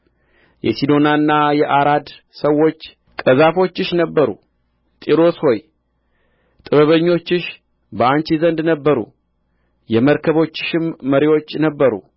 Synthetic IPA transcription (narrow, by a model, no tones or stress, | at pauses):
jɛ̰sid̪o̞nanːajɛʔaɾad̪ | səwːo̞t͡ʃː | kʼəzafo̞t͡ʃːɪʃnəbːəɾṵ | t̪ʼiɾo̞sho̞j | t̪ʼɨβəβəɲːo̞t͡ʃːɪʃ | bəant͡ʃizənd̪nəbːəɾṵ | jɛməɾkʰəβo̞t͡ʃːɪ̥ʃɪmːəɾiwo̞t͡ʃːnəbːəɾṵ